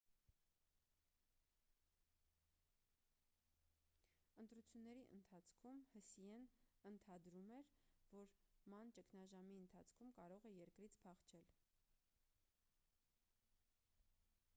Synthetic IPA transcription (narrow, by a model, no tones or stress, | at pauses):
ənt̪ɾut͡sʰjunːɛɾiʔə̰nt̪ʰɑt͡sʰkʰumhəsiɛnənt̪ʰɑd̪ɾumɛɾvɔɾmɑnt͡ʃəkʰnɑʒɑmiənt̪ʰɑt͡sʰkʰumkɑɾɔʁɛjɛɾkɾit͡sʰpʰɑχt͡ʃʰɛl